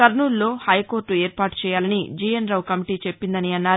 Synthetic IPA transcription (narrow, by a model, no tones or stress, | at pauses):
t̪ɐɾnuːlːo̞ːhɐjko̞ːɾʈlueːɾpaːʈu̥t͡ʃɛːjaːlɐnid͡ʒiːjɐnɾɐwkɐmiʈiːt͡ʃepːind̪ɐniɐnːaːɾ